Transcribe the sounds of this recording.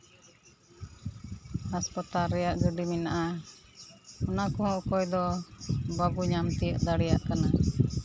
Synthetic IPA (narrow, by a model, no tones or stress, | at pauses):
aspat̪aɾɛjaʔɡəɖiminaʔa | ɔnakɔɦɔ̃ʔkɔjd̪ɔ | baɡuɲamt̪ijəʔd̪aɽɛja̰ʔkana